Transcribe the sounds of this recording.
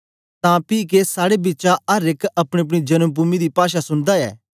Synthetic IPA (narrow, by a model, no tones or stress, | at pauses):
t̪ãpiːk̬esaːɽebiːt͡ʃaɐɾɪkɐpɽ̃eɐp̬ɽ̃id͡ʒɐnəmpuːmid̪ipaːʃ̬asʊ̃nd̪aɛ̰ː